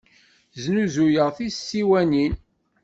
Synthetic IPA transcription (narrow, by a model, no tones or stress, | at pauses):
znuzujəʁθisːiwænin